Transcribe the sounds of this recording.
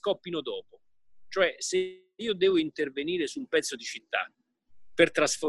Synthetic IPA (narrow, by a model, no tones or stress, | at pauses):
kɔpːinod̪ɔːpo | t͡ʃoɛse | iːod̪ɛːvoint̪erveniːɾesumpɛt̪sːod̪it͡ʃit̪ːa̰ | pert̪ɾasfo